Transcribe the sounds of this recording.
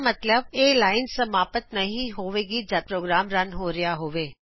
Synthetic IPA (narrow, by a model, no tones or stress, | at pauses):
mɐt̪ləbeːlaːɪnsɐmaːpət̪nɐɦĩɦoːʋeːɡid͡ʒapɾoːɡɾaːmɾɐnɦoːɾɪjaɦoːʋeː